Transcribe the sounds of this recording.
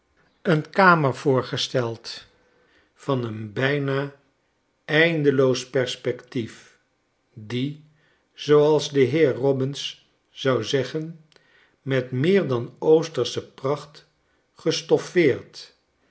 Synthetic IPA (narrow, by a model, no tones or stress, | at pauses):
ənkaːməɹvʊːɹχəstɛlˠt | fɑnənbɛjnaː | ɛjndəlowspɛɹspɛktif | di | z̥owɑlˠzdəɦɪːɹrɔbɪns | z̥ɑwzɛχən | mɛtmɪːɹdɑnowstəɹsəprɑχt | χəstɔfɪːɹt